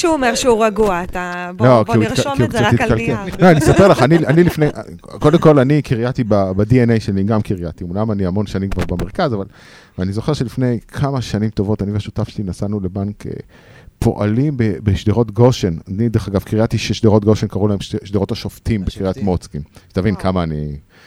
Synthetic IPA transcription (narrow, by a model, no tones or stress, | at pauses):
ʃuomeʁʃeuʁaɡuat̪ablokiuitkiukaikalkeloanisapelaχanianilifnejʔa̰kodemko̞lanikiʁjat̪ibabadienejʃeniɡamkiʁjat̪imulamaniamo̞nʃanimkvaʁbemeʁkazaval | veanizo̞χe̞ʁʃelifne̞jkʰamaʃanimto̞vo̞tanivaʃutafʃelinasanulebankʰḛ | pʰo̞̰ʔa̰limbebeʃdeʁo̞tɡoʃenanideχaɡavkiʁjatiʃeʃdeʁo̞t̚ɡoʃenkaʁulaemʃʃdeʁo̞thaʃoftimbekiʁijat̪mot͡skimet̪avinkʰamaːni